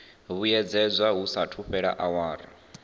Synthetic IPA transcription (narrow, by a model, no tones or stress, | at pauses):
βujɛd͡zɛd͡zʷaɦusatʰuɸɛɺa̰ʔawaːɾa